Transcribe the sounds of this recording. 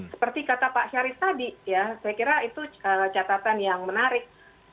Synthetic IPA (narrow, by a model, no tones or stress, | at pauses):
sə̥pərt̪ikat̪apaʔʃaɾɪst̪adijasajakiɾait̪uət͡ʃat̪at̪anjaŋmənaɾɪk̚